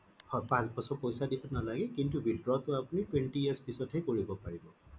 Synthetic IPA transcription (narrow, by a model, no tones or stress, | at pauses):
hɔpãsbɔsɔpɔjsadibɔnalaɡɛkintubʱidɹɔtʊapunitwentiiaɹspisɔtʰejkoɹibɔpaɹibɔ